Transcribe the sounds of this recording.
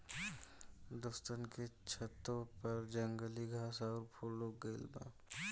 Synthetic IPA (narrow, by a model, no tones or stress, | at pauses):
d̪ost̪ənket͡ʃʰət̪ːõpɐɾd͡ʒəŋɡəliɡʱaːsaːɾpʰoloɡəlbã̰